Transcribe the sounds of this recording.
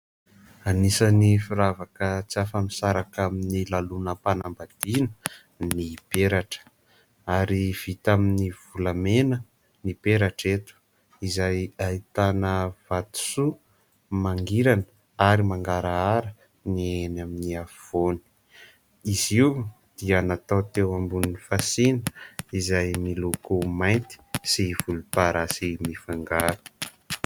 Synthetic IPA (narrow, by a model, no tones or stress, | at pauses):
anisənifiɾavakət͡siafəmisaɾakaminilalunəpanambad̪̥inə̥ | nib̥eɾaʈ͡ʂə̥ | aɾiv̥it̪aminiv̥ulamenə | nipeɾaʈ͡ʂet̪u̥ | izajait̪anəv̥at̪u̥su | maŋɡiɾanə | aɾimaŋɡaɾaaɾə | nienaminiafv̥oni̥ | iziw | d̪̥ianat̪at̪ewambuninifasinəizajmilukumajnt̪i̥siv̥ulupaɾasimifaŋɡaɾu̥